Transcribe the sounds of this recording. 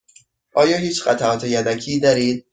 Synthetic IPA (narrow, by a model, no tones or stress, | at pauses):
ʔɒːjɒːɦiːt͡ʃɢæt̪ʰæʔɒːt̪ʰe̞jæd̪æcʰiːd̪ɒːɾiːd̪̥̚